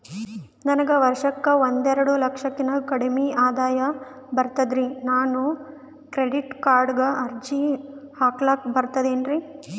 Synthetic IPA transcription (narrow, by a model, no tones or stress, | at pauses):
nɐnɐɡɐʋɐɾʂɐkːɐʋond̪ɛɾɐɽulɐkʂɐkːinɐkɐɽɐmiʔaːd̪aːjɐ | bɐɾt̪ɐd̪ɾinaːnu | kɾeɖiʈkaːɾɖɐɡɐʔɐɾd͡ʒihaːklaːk̚bɐɾt̪ɐd̪eːnɾi